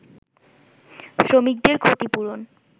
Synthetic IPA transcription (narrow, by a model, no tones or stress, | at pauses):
sɾomik̚d̪eɾkʰot̪ipuɾon